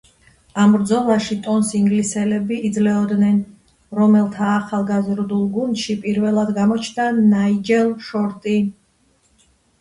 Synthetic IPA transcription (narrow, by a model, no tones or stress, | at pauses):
ambɾd̪zɔlˠaʃit̪ʼɔnsiŋɡlisɛlɛbiʔːd̪zlɛɔd̪nɛn | ɾɔmɛlˠt̪ʰaːχalˠɡazɾd̪ulˠɡund̪ʃipʼiɾvɛlˠad̪ɡamɔt͡ʃʰnd̪anaid͡ʒɛlˠʃɔɾt̪ʼi